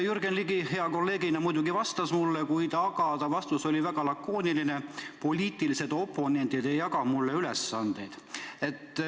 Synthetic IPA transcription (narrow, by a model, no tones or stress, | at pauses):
jurɡenliɡihe̞ɑko̞lːe̞ːɡinɑmujd̪̥uɡivɑst̪ɑsmulːekujd̪̥ɑɡɑd̪̥ɑvɑst̪usolʲivæɡ̥ɑlɑkːˑoːniline̞po̞lʲiːt̪ˑilise̞d̪o̞pːˑo̞ne̞nd̪̥id̪ejɑkɑmulːe̞ylesːɑnd̪̥e̞jd̪̥e̞t̪ˑː